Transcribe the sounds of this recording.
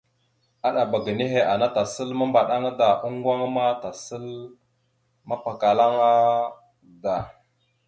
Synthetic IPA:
a˦ɗa˨ba˨ɡə˨ne˦ɦe˨a˨na˦ta˨sə˦lma˦mba˨ɗa˦ŋa˦da˨ʔu˦ŋ˦ɡwa˦ŋ˦ma˦ta˨sə˦l | ma˦pa˨ka˨la˦ŋa˦ | da˨

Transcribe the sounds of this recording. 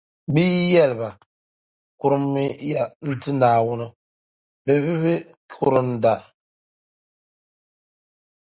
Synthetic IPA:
biː˦jɛ˦lɨ˨ba˨ | kʊ˦ɾɨ˦mːi˦ja˦n̩˦tɨ˦naː˨wʊ˦nɨ˦ | bɛ˨bɪ˦βɪ˦ | kʰʊ˦ɾɨ˦n̩˦da˨

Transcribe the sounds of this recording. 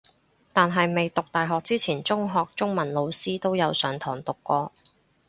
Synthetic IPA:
t̪aː˨nɦɐ˨jme˨jt̪ʊ˨k̚t̪aː˨jɦɔː˨k̚t͡siː˥t͡sʰiː˨˩nt͡sʊ˥ŋɦɔː˨k̚t͡sʊ˥ŋmɐ˨˩nlo˨˧wsiː˥t̪o˥wjɐ˨˧wsœː˨˥ŋt̪ʰɔː˨˩ŋt̪ʊ˨kːɔː˧

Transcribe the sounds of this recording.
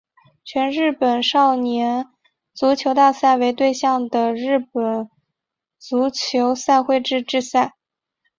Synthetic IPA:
t͡ɕʰɥɛ˧˥nɻɻ̩˥˩pə˨˩nʂɑ˥˩ʊnjɛ˧˥n | t͡su˧˥t͡ɕʰjo˧˥ʊt̪a˥˧sa˥˩ɪwe˧˥ɪt̪we˥˧ɪɕjɑ˥˩ŋd̪ə˩ɻɻ̩˥˩pə˨˩n | t͡su˧˥t͡ɕʰjo˧˥ʊsa˥˧ɪxwe˥˧ɪʈ͡ʂɻ̩˥˧ʈ͡ʂɻ̩˥˧sa˥˩ɪ

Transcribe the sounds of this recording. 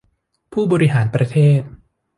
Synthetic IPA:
pʰuː˥˩bɔː˧ɾi˦ɦaː˩˦npɾa˧t̪ʰeː˥˩t̪̚

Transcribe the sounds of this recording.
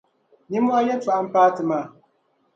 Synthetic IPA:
ni˦mwa˦jɛ˦t͡ʃa˨ʔa˦m̩˦paː˦tɨ˨ma˨

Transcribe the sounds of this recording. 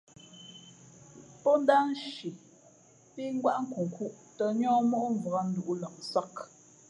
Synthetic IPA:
pɔ˦n̩˦da˦n˦ʃi˨ | pi˦ŋ̩˦ɡwa˦ʔŋ̩˦ku˨ŋ̩˨ku˦ʔtə˨ɲɔ̃ː˦mɔ˦ʔɱ˨və˨a˦n̩˦du˨ʔu˦lə˨ŋsa˦k

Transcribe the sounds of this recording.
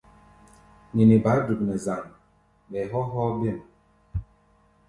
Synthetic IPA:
ni˨ni˨ba˨˦du˨b̚nɛ˨za˨ŋ˨ | ɓɛ˨ɦɔ˦ɦɔ˦be˦˨m˨

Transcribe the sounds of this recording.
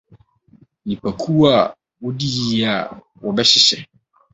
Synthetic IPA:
nĩ˨pʰa˨kʰu˦wa˦˨ | wɔ˦di˦ji˦a˨ | wɔ˨bɛ˦ɕɪ˨sɛ˨

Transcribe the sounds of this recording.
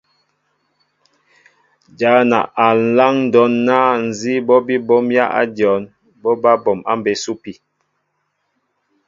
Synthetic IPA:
d͡ʒa˨˦na̰˨ʔa˨n̩˨˦la˦ŋn̩˨dɔ˦nːa˦n̩˨zi˦bɔ˦bi˦bɔ˦mja̰˦ʔa̰˦djɔ˨˦n | bɔ˦ba˦bɔ˨ma̰˦m˨be˨˦su˦pi˨

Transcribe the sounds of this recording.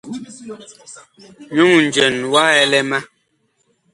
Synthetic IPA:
ɲu˦˨ŋn̩˨d͡ʒɛ˨nwa˦ɛ˦lɛ˦ma˦

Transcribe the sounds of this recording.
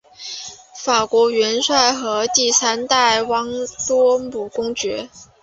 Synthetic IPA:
fa˨˩kwɔ˧˥ɥɛ˧˥nswa˥˩ɪxɤ˧˥t̪i˥˩sa˥nt̪a˥˩ɪwɑ˧˥ŋt̪wɔ˥mu˨˩kʊ˥ŋt͡ɕɥɛ̰˧˥

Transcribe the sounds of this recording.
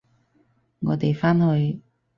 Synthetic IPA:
ŋɔː˨˥t̪e˨˩jfaː˥nhɵ˨˧j

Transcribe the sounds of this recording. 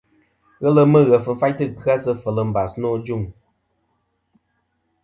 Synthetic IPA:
ɣə˦lə˦mə˦ɣə˨fɨ˨n̩˦fa˦jtɨ˦ka˦sə˦fə˨lə˨m̩˦ba˨snɔ˦˨d͡ʒu˦˨ŋ

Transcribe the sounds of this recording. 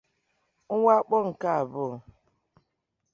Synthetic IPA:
ŋ̩˦ŋʷa˦k͡pɔ˦ŋ̩˨ka˦a˨bʊ˦˨

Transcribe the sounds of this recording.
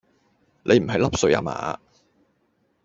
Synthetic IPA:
lʔe˨˧jm̩˨˩ɦɐ˨jlɐ˥p̚sɵ˧ja̰ː˧˥ma̰ː˨˦

